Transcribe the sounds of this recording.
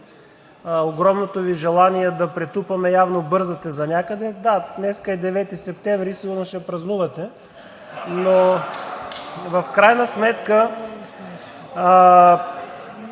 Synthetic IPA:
oɡɾɔmnot̪oviʒɛlˠaniɛd̪ɐpɾɛt̪upɐmɛjavnobɤɾzɐt̪ɛzɐnʲakəd̪ɛd̪add̪nɛskəɛd̪ɛvɛt̪isɛp̚t̪ɛɱvɾisinɐʃɛpɾɐznuvɐt̪ɛ | no | vɐfkɾajnɐsmɛt̪kə

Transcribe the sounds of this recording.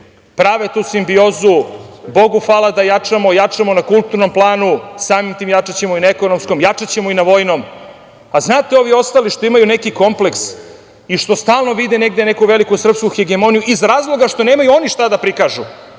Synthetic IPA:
pɾaːʋet̪uːsimbio̞ːzubo̞ɡufaːlˠad̪ajat͡ʂamo̞jat͡ʂamo̞nakulˠt̪uɾno̞mplˠaːnusaːmimt̪iːmjat͡ʂat͡ɕe̞moinaeko̞no̞msko̞mjat͡ʂat͡ɕe̞moinaʋo̞jno̞m | aznaːt̪eo̞ʋio̞st̪aliʃt̪oimajune̞kiko̞mple̞ks | iʃt̪o̞st̪aːlˠno̞ʋid̪ene̞ɡd̪ene̞kuʋe̞likusr̩pskuxeɡemo̞nijuʔizɾaːzlˠo̞ɡaʂt̪o̞ne̞ːmajuo̞niʂt̪ad̪apɾikaʒu

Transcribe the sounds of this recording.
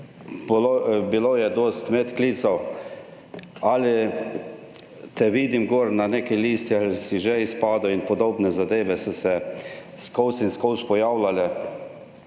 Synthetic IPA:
lbiloːjɛd̪oːst̪mɛt̪kliːt̪sɔw | alɪ | t̪ɛʋiːd̪imɡoːɾnaneːkɛliːst̪iasiʒɛispaːd̪ɔinpɔd̪oːbnɛzad̪eːʋɛsɔsɛskɔwsinskɔwspɔjaːwlalɛ

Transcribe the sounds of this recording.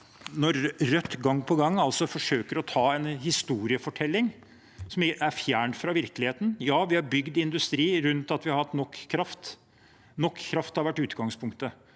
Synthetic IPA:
nɔɾɾœt̪ːɡɑŋːpʰɔɡɑŋːɑlsɔfɔʂøːkəɾɔt̪ʰɑːɛnhɪst̪uːɾɪəfɔʈʰɛlːɪŋ | sɔmæɾfjæːɳfɾɑʋɪɾklɪheːt̪n̩jɑːʋɪhɑɾbʏɡd̪ɪɪnd̪ʉst̪ɾiːɾʉnt̪ɑt̪ʋɪɑɾhɑt̪nɔkːkʰːɾɑft̪ | nɔkʰːɾɑft̪hɑɾʋæʈːʉːt̪ɡɑŋspʰʊŋkt̪ə

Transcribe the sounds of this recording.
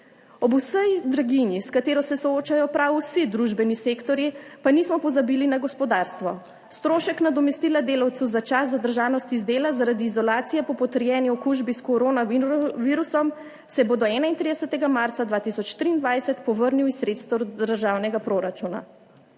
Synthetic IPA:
ɔbusəjd̪ɾaɡinjiskat̪eːɾɔsɛsɔoːt͡ʃajɔpɾawusid̪ɾuʒbɛnisekt̪ɔɾjipanismɔpɔzabilinaɡɔspɔd̪aːɾst̪ʋɔ | st̪ɾoːʃɛknad̪ɔmɛst̪iːlad̪eːlawt̪əwzat͡ʃaszad̪əɾʒaːwnɔst̪izd̪eːlazaɾad̪iːzɔlaːt̪sijɛpɔpɔt̪əɾjɛːniɔkuʒbiskoɾoːnaʋiːɾusɔm | sɛboːd̪ɔɛːnaint̪ɾid̪ɛsɛt̪ɛɡamaɾt̪sad̪ʋaːt̪isɔt͡ʃt̪ɾiːnd̪ʋajsɛt̪pɔʋəɾniwisɾet̪st̪ɛd̪əɾʒaːwnɛɡapɾoːɾat͡ʃuna̰

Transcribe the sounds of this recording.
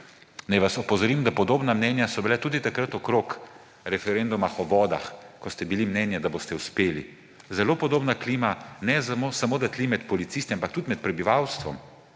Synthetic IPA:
najʋasɔpɔzɔɾiːmd̪apɔd̪oːbnamnɛnjasɔbilat̪uːd̪it̪akɾət̪ɔkɾoːk | ɾɛfɛɾend̪umaxɔʋɔːd̪a̰xkɔst̪ɛbilimnɛnjad̪aboːst̪ɛwspeːli | zɛlopɔd̪oːbnakliːmanɛzamosamoːd̪at̪limɛt̪pɔlit̪sist̪iampak̚t̪ud̪mɛt̪̚pɾɛbiʋawst̪ʋɔm

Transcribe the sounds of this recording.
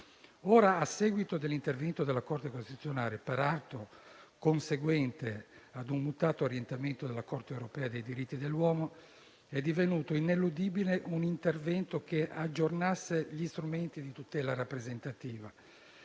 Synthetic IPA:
oːɾaːsɛːɡwit̪od̪elːint̪ervɛnt̪od̪elːakɔrt̪ekonst̪it̪u̥t̪sːjonaːɾepeɾalt̪o | konseɡwɛnt̪ead̪unmut̪aːt̪oɾjɛnt̪ament̪od̪elːakɔrt̪eewɾopɛːad̪ejd̪iɾit̪ːid̪elːwɔːmo | ɛd̪ːivenuːt̪oinelud̪iːbileʔunint̪ervɛnt̪okeʔad͡ʒːornasːeʎist̪ɾument̪id̪it̪ut̪ɛːlaɾapːɾezent̪at̪iːva

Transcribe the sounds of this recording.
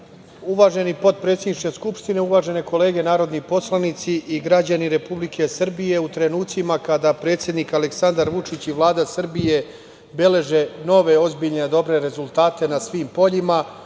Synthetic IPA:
uʋaːʒe̞nipo̞t̪̚pɾe̞ːt̪sʲed̪nit͡ʃkʲe̞skupʂt̪ine̞uʋaːʒe̞ne̞ko̞le̞ːɡe̞naːɾo̞d̪nipo̞slˠanit̪siʔiɡɾad͡ʑaniɾe̞publikʰe̞sr̩bije̞ut̪ɾe̞nuːt̪simakad̪apɾe̞ːt̪sje̞d̪nikaleksand̪aɾʋut͡ʂit͡ɕiʋlˠaːd̪asr̩bije̞ | be̞le̞ʒe̞no̞ʋe̞o̞zbiʎned̪o̞bɾe̞ɾe̞zulˠt̪aːt̪e̞nasʋiːmpo̞ʎima

